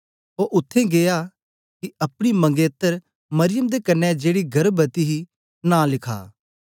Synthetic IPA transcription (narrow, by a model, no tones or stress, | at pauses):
oʔʊt̪ʰːẽɡeːja | kiɐpɽ̃imɐ̃ŋɡeːt̪əɾ | mɐɾɪjəmd̪ekɐnːɛd͡ʒeːɽiɡʱɐɾbɐt̪iɦi | nãːlɪkʰa̰ː